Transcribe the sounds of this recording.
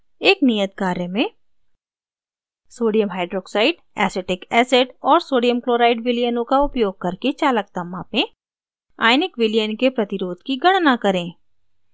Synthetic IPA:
eːknijət̪̚kaːɾjəmẽ | soːɖijəmɦaːɪɖɾoːksaːɪɖ | ɛ̰ːseʈɪkɛːseʈɔːɾsoːɖijəmkloːɾaːɪɖʋɪlijənõkaʊpjoːɡ̚kɐɾket͡ʃaːlək̚t̪ɐmaːpẽ | a̰ːjnɪkʋɪlijənkepɾɐt̪ɪɾoːd̪kiɡɐɽ̃nakɐɾẽː

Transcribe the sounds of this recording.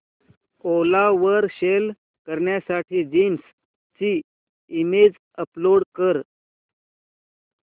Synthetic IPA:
olaʋəɾɕel | kəɾɳjasaʈʰiːd͡ʑins | t͡ɕiː | imed͡z | əploɽkəɾ

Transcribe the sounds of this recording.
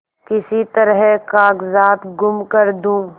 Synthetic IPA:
kɪsit̪ɐɾɦɛkaːkzaːt̪ɡʊmkɐɾd̪ũː

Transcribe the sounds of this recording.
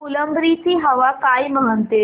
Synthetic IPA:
uləmbɾiːt̪iːɦɐʋakaːjmɐɦənt̪e

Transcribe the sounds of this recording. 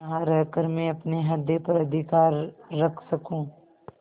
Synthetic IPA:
ɦãɾɐɦkəɾmẽɐpneɦɐd̪jepɐɾɐd̪ʱɪkaːɾːɐkʰsɐkũː

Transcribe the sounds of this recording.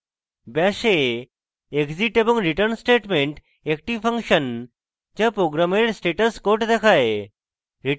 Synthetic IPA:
baːʃe | ekziʈebuŋɾiʈəɾnsʈeːʈmẽɳʈ | ek̚ʈiʋpʰɐŋkʃən | t͡ʃapɾoːɡɾameɖsʈeːʈɐskoːɾʈd̪ekʰaːe | ɾi

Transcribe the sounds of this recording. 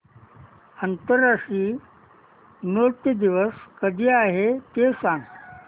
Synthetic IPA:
ənt̪əɾːaʂʈiː | noɽt̪əd̪iʋəskəd̪ʱiːaɦet̪esãŋɡ

